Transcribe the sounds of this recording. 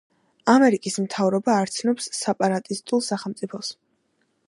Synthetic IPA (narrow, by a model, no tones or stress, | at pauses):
amɛɾikʼismt̪ʰavɾɔbaːɾt̪sʰnɔpsːɛpʼaɾat̪ʼist̪ʼulˠsaχɛlˠmt̪sʼipʰɔs